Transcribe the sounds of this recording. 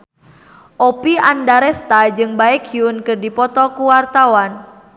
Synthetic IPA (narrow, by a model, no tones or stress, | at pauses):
ʔopiandaɾɛst̪ad͡ʒɨŋbaɛkiunkɨrdipɔt̪ɔkuwart̪awan